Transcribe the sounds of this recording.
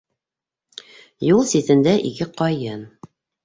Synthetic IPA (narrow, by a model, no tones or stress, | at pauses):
julˠsiθɘ̆nd̪æʔḭkɘqɒjɤn